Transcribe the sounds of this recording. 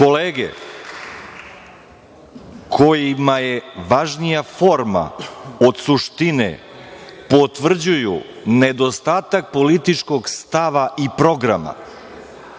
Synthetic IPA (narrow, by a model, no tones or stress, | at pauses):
ko̞leːɡḛ | kʰo̞jimajeʋaʒnijafo̞ɾma̰od̪suʃt̪inḛ | po̞t̪ʋr̩d͡ʑuju | ned̪o̞st̪aːt̪ak̚po̞lit̪it͡ʃko̞ɡst̪aʋaʔipɾo̞ɡɾa̰ma̰